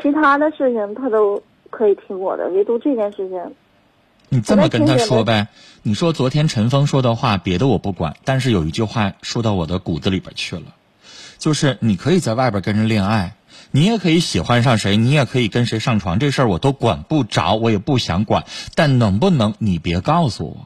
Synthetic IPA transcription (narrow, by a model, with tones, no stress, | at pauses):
t͡ɕʰi˧˥t̪ʰa˥d̪ə˨ʂɻ̩˥˩t͡ɕʰi˩ŋt̪ʰa˥t̪o˥ʊ | kʰɤ˧˥i˨˩t̪ʰi˧˥ŋwɔ̰˨˩d̪ə̰˦jɛ˧˥˩t̪u˥˧˥ʈ͡ʂɤ˥˧t͡ɕjɛ˥˧nʂɻ̩˥˩t͡ɕʰi˧˩ŋ | ni˨˩t͡sə˥˩mə˩kə˥nt̪ʰa˥ʂwɔ˥ba˧ | ni˨˩ʂwɔ˥t͡swɔ˧˥t̪ʰjɛ˥nʈ͡ʂʰə˧˥nfɤ˥ŋʂwɔ˥d̪ə˨xwa˥˩pjɛ˧˥d̪ə˧wɔ˨˩pu˥˩kwa̰˨˩˦nt̪a˥˧nʂ̬ɻ̩˥˩jo˨˩ʊi˧˥t͡ɕy˥˧xwa˥˩ʂo˥˧t̪ɑ˥˩ʊwɔ̰˨˩d̪ə˦ku˨˩d͡z̩˦li˧˥bə̰˨˩t͡ɕʰy˥˩lə̰˩ | t͡ɕjo˥˧ʊʂɻ̩˥˩ni˨˩kʰɤ˧˥i˨˩t͡sa˥˧ɪwa˥˩ɪpjə˨˩kə˥nʈ͡ʂə˧˥ljɛ˥˧na˥˩ɪ | ni˧˥jɛ˨˩kʰɤ˧˥i˧˥ɕi˨˩xwa˥nʂ̬ɑ˥˩ŋʂe˧˥ɪni˧˥jɛ˨˩kʰɤ˧˥i˨˩kə˥nʂe˧˥ɪʂɑ˥˩ŋʈ͡ʂʰwɑ˧˥ŋʈ͡ʂɤ˥˧ʂə˞˥˩wɔ˨˩t̪o˥ʊkwa̰˨˩npu˥˩ʈ͡ʂɑ̰˧˥ʊwɔ˧˥jɛ˨˩pu˥˩ɕjɑ̰˧˥ŋkwa̰˨˩˦nt̪a˥˩nnɤ˧˥ŋpu˥˩nɤ˧˥ŋni˨˩pjɛ˧˥kɑ˥˩ʊsṵ˨˩wɔ̰˨˩˦